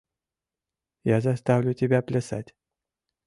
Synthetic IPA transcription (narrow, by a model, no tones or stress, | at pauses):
jazast̪avlʲut̪ʲebʲaplʲəsa̰t̪ʲ